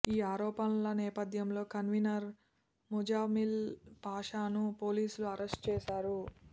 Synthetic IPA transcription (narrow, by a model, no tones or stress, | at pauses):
iːaːɾɔːpɐnlɐnɛːpɐd̪ʱjɐmlo̞ːkɐnʋinɐɾ | mud͡ʒaːmilpaːʂaːnupoːliːsuluɐɾʔesʈ̚t͡ʃɛːʃaːɾu